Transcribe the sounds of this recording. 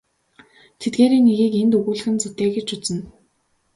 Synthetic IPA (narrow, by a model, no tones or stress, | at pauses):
t̪ʰet̪ɡeːɾiːnːeɣiːkent̪ɵɣuːɮɘ̆xɘ̆nt͡sut̪eːɡĕt͡ɕʊt͡sɘ̆n